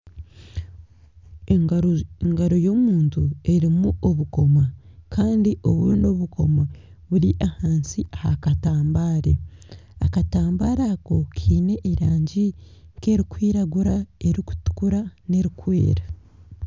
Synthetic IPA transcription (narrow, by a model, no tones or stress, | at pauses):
eŋɡaɾo̞jo̞muːntue̞ɾimuʔoβuko̞makaːndiʔo̞βṵno̞βuɡo̞ma | βuɾiʔahaːnsiahakataːmbaːɾḛakataːmbaːɾako̞kʰiːne̞ʔiɾaːɲɟiŋke̞ɾikwiːɾaɡuɾae̞ɾiku̥tu̥kuɾane̞ɾikwḛːɾa